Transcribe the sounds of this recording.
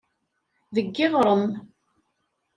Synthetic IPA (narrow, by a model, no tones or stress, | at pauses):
ðəɡːɪʁɾˤən